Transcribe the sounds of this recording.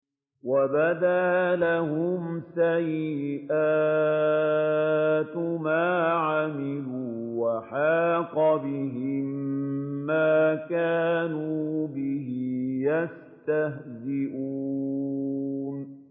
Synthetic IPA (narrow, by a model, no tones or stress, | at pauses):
wabad̪aːlaɦʊmsajɪʔaː | t̪maːʕamɪluːwaħaːqɑbɪɦɪmː | aːkaːnuːbɪɦɪjas | t̪aɦzɪʔu | n